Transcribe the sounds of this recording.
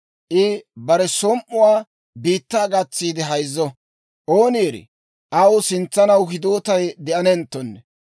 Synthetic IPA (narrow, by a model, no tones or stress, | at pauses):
ʔɪbɐɾɛsɔmʔʊwaː | biːt̪ːaːɡɐt͡sːiːd̪ɪɦɐjzːɔ | ʔoːniːɾɪ̰ | ʔɐwʊsɪnt͡sːɐnɐwɦɪd̪oːt̪ɐjd̪ɛʔɐnɛnt̪ːɔnːɛ